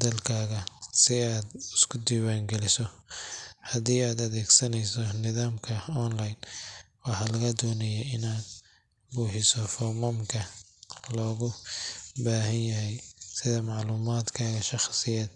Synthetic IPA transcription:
d̪ɐlkʰaːɣɐsɪaːd̪ɪskʰʊd̪iːwaːŋɡɛlɪsɔ | hɐd̪iːaːd̪ɐðɛːɡsɐnɛjsɔnɪðaːmkʰɐɔnlajnwɑħɑːlɐɣɐd̪ɔːnɐjɛɪnaːd̪̚ | buːħɪsɔfɔmɐmkʰɐlɔːɣʊbaːɦɐnjɐɦɛjsɪðɐmɑʕluːmaːd̪kʰaːɣɐʃɑχsɪjɛːd̪̥̚

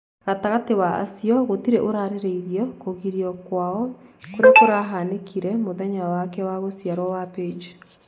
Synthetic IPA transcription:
ɾataɣatewaa̰sijɔɣotiɾeʔoɾaɾeɾeiɾiɔkoɣiɾiɔkwaɔkoɾekoɾaɦanekʰiɾɛmoðɛɲawakɛwaɣosjaɾwɔwaped͡ʒi

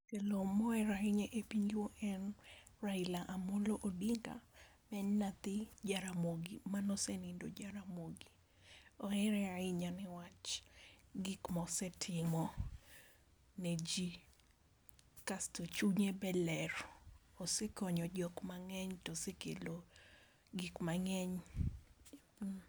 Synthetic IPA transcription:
kelomɔɛɾaiɲɛʔepiɲɡwoʔɛn | railaʔamoloʔodiŋɡa̰mɛnːat̪ɪd͡ʒaɾamoɡimanɔsɛnindo̰d͡ʒaɾamoɡi | ɔɛɾɛaɪɲanɪwat͡ʃ | ɡikmɔsɛtʰɪmɔ | nɛd͡ʒi | kastot͡ʃuɲebɛlɛrosekɔɲɔd͡ʒɔkmaŋɛɲtɔsekḛlo | ɡikmaŋɛɲ

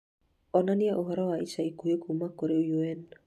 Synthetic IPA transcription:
ɔnanɪjaʔoɦɔɾɔwait͡ʃaikojokumakoɾeojoɛn

